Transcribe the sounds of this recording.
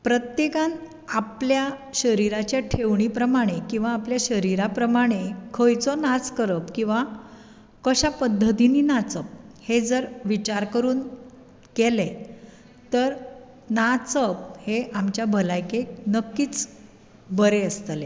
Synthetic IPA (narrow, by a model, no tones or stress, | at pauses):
pɾət̪jekãn | apljaɕəɾiɾat͡ɕjaʈʰeʋɳ̃iːpɾəmaɽ̃ekĩw̃ʋaːpljaɕəɾiɾapɾəmaɽ̃ekʰəjt͡sɔnat͡skəɾəpkĩw̃ʋa | kəɕapəd̪ʱːət̪iniːnat͡səp̚hed͡zəɾʋit͡ɕaɾkəɾuːn | kele | t̪əɾ | nat͡səp̚heamt͡ɕjabʱəlajkenəkːiːt͡s | bəɾeəst̪le